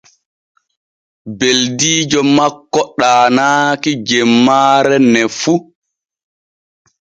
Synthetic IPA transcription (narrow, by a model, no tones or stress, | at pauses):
beldiːd͡ʒɔmakːɔɗaːnaːkid͡ʒɛmːaːɾɛnɛfu